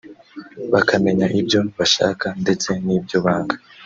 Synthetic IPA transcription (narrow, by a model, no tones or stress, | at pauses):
βakame̞ɲaʔibɟo̞βaʃa̰ːkande̞t͡se̞niːbɟoβaːŋɡa